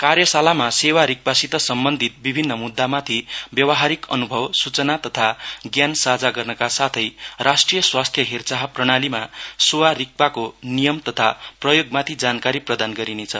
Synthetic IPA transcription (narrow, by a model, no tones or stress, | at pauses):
karjʌsalamasewaɾik̚pasit̪ʌsʌmbʌnd̪ʱit̪̚bibʱinːʌmud̪ːamat̪ʰibjʌwʌɦaɾikʌ̰nubʱʌwsut͡sʌnat̪ʌt̪ʰaɡjansad͡zaɡʌrnʌkasat̪ʰʌjrasʈrijʌswast̪ʰjʌɦert͡saɦprʌɽ̃alimasowaɾik̚pakonijʌmt̪ʌt̪ʰaprʌjoɡmat̪ʰid͡zankaɾiprʌd̪anɡʌɾinet͡sʰʌ